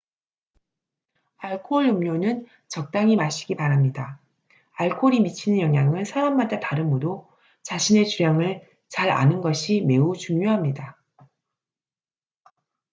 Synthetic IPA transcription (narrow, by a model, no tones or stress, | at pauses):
aɭkʰoɭumɲonɯn | t͡ɕʌk̚t͈aŋimaɕʰi̥ɡipaɾamɲida | aɭkʰoɾimit͡ɕʰinɯnjʌŋjaŋɯnsʰaɾamːadataɾɯnodo | t͡ɕaɕʰine̞t͡ɕuɾjaŋɯɭ | t͡ɕaɾa̰nɯnɡʌɕʰime̞ut͡ɕuŋɲoɦamɲida